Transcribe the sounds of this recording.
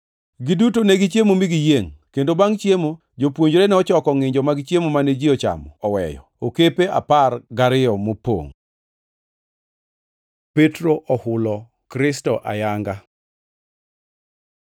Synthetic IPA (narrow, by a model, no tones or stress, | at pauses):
ɡidutoneɡit͡ʃjemomiɡijeŋkendobaŋt͡ʃjemo | d͡ʒopwoɲd͡ʒɾenɛɔt͡ʃɔkɔŋɪɲd͡ʒɔmaɡɪt͡ʃjemomaned͡ʒɪɔt͡ʃa̰mɔɔwɛ̰jɔ̰ | okepeʔa̰parɡaɾɪjɔmopo̰ŋ | petɾoʔɔhʊlɔ | kɾɪstɔʔa̰jaŋɡa